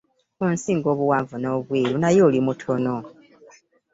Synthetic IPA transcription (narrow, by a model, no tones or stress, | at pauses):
kunsiːŋɡo̞ːβuwaːɱvuno̞ːβwiːlunajo̞ːlimutʰo̞no̞